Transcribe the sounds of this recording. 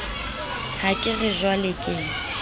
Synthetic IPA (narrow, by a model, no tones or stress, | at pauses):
hakʼɪɣɪʒwalɪkʼeːŋ̩